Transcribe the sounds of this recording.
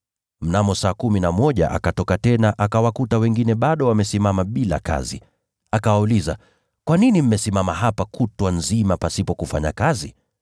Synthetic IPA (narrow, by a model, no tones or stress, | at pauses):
m̩namɔsaːkuminamɔʄa̰ʔa̰katɔkatɛnaʔakawakutawɛŋɡinɛɓaɗɔwamɛsimamaɓila̰ka̰zḭ | akawauliza̰ | kwaninim̩mɛsimamaɦapakʰutwanzimapasipɔkufa̰ɲa̰kazi